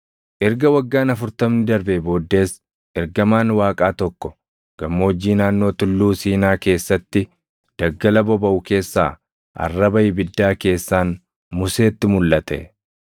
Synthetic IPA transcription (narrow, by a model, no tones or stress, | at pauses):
ʔɛɾɡɐwɐɡːaːnɐfʊɾt̪ɐmnɪd̪ɐɾbɛbo̞ːd̪ːe̞ːs | ɛɾɡɐmaːnwaːkʼaːt̪ɔkːɔ | ɡ̥ɐmːoɔd͡ʒːiːnaːnːo̞ːt̪ʊlːuːsiːnaːke̞ːsːɐt̪ːɪ | d̪̥ɐɡːɐlɐbɔbɐʔʊke̞ːsːaː | ʔɐ̰rːɐbɐjɪbɪd̪ːaːke̞ːsːaːn | mʊse̞ːt̪ːɪmʊlːɐt̪ʰɛ̰